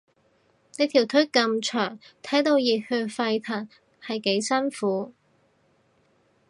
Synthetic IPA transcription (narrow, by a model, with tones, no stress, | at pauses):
ne˨˥t̪ʰi˨˩wt̪ʰɵ˥kɐ˧mt͡ʃʰœː˨˩ŋt̪ʰɐ˨˥jt̪o˧wjiː˨˩t̚hɵ˧fɐ˧jt̪ʰɐ˨˩ŋ | hɐ˨jke˨˥jsɐ˥nfuː˨˥